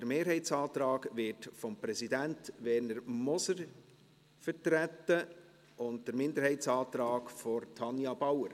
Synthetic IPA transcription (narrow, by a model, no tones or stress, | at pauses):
d̥əɾmeːɾɦhɛɪtsɑːt̪ɾɑːɡʋɪtfɔmpɾɛsidæntʋɛɾnəɾmɔsəɾ | fətɾætːə | ʊndd̥əɾmɪnd̪əɾhɛɪtsɑːt̪ɾɑːkfɔɾtʰɑnjɑbɑwəɾ